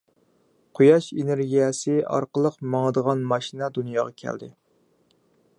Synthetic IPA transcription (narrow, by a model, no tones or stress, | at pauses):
qʰujɑʃeneɾɡʲijɛsɪɑ̰ɾqəlˠəqmɑŋəd̪əʁɑnmɑʃinɑd̪unjɑːʁɑkʲʰæ̰ld̪ɪ̰